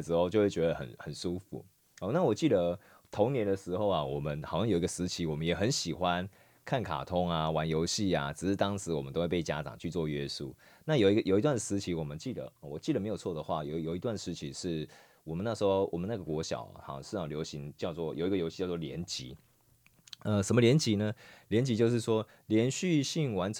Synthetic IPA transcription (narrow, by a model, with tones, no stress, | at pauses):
ʈ͡ʂɻ̩˧˥xo˥˧ʊt͡ɕo˥˧we˥˩t͡ɕɥɛ˧d̪ə˧xə̰˨˩nhə˨˩nʂu˦fṵ˨˩˦ | ɑ˨na˥˨wɔ˨˩t͡ɕi˥˩d̪ə˨ | t̪ʰo˧˥ŋnjɛ˧˥nd̪ə˨ʂɻ̩˧˥xo˥˩ʊa˨wɔ˨˩mə˦nxɑ˨˩ʊɕjɑ˥˩jo˨˩i˧ɡə˧sɹ̩˧˥t͡ɕʰi˨˥wɔ˨˩mə˦njɛ˨˩xə˦nɕi˨˩xwa˦n | kʰa˥˩nkʰa̰˨˩t̪ʰʊ˥ŋa˨wa˧˦njo˧˥ʊɕi˥˩a˨˩ʈ͡ʂɻ̩˨˩ʂɻ̩˥˩t̪ɑ˥ŋʂɻ̩˧˥wɔ˨˩mə˦t̪o˥ʊwe˥˧pe˥˩ɪt͡ɕja˥t͡sɑ̰˨˩ŋt͡ɕʰy˥˧t͡swɔ˥˨ɥɛ˦su˥˩na˥˩jo˨˩i˦ɡə˨jo˨˩ʊi˧t̪wa˥˩n˨˩sɹ̩˧˦˥t͡ɕʰi˨˦˥wɔ˨˩mə˦nt͡ɕi˥˩d̪ə̰˩˨wɔ˨˩t͡ɕi˥˩d̪ə˩me˧˥ɪjt͡sʰɔ˥˩d̪ə˩xwa˥˩jo˨jo˨˩ʊi˧˥t̪wa˥˧nʂɻ̩˥˩t͡ɕʰi˧˥ʂɻ̩˥˩ | wɔ˨mə˦na˥˩ʂɻ̩˧˥xo˥˧ʊwʔɔ̰˨˩mə˦na˥˩ɡə˩kwɔ˧˥ɕjɑ̰˨˩˦ʊxɑ̰˨˩ʂɻ̩˥˧jɑ˥˩ljo˧˥ʊɕi˧˦ŋt͡ɕjɑ˥˧ʊt͡swɔ˥˩jo˨˩ʊi˧ɡə˨jo˧˥ɕi˥˧t͡ɕɑ˥˧ʊt͡swɔ˥˨ljɛ̰˧˦nt͡ɕḭ˧˦ | ə˧ʂə˧˦mə˦ljɛ˧˦nt͡ɕi˧˥nə˧ljɛ˧˥nt͡ɕi˧˥jo˥˧ʂ̬̩˥˩ʂwɔ˥ | ljɛ˧˥nɕy˥˧ɕi˥˩ŋwa˧˦˥nʰ